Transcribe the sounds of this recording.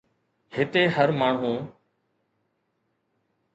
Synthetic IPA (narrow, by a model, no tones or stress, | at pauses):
hɪt̪eːɦəɾmaːɳ̤ũː